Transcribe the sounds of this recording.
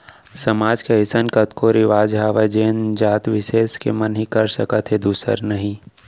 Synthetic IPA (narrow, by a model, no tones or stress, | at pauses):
sɐmaːd͡ʒkeɦɪsənkət̪koɾɪʋaːd͡ʒɦaːʋad͡ʒeːnd͡ʒaːt̪ʋɪʃeːskḛmənɦĩkɐɾsəkət̪ɦed̪uːsə̰ɾnəɦĩ